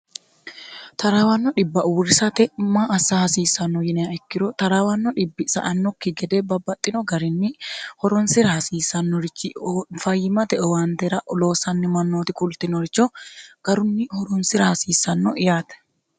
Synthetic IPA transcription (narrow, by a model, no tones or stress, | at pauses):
t̪ɐɾaːwɐnːɔᶑɪbːɐʔuːɾɪsɐt̪ɛmaʔɐsːahɐsiːsɐnːɔjɪnɛaʔɛkːɪɾɔt̪ɐɾaːwɐnːɔᶑɪbːɪsɐ̰ʔɐnːɔkːɪɡɛd̪ɛːbɐbːɐt̪ʼːɪnɔɡɐɾɪnːɪhɔɾɔnsɪɾɐhɐsiːsɐnːɔɾɪt͡ʃːɪfɐjːɪmɐt̪ɛɔwaːnt̪ɛɾɐʔɔloːsɐnːɪmɐnːoːt̪ɪkʊlt̪ɪnɔɾɪt͡ʃːɔɡ̥ɐɾʊnːɪhɔɾɔnsɪɾɐhɐsiːsɐnːɔʔɪjaːt̪ɛ̥